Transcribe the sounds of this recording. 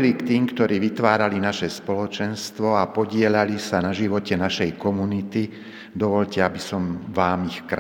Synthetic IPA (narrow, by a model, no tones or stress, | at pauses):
likt̪iːmkt̪ɔɾiːʋit̪ʋaːɾalinaʃɛspɔlɔt͡ʃɛnst̪ʋɔapɔɟɪɛʎalisanaʒiʋɔcɛnaʃɛjkɔmunit̪i | d̪ɔʋɔʎcɛabisɔmʋaːmixkɾ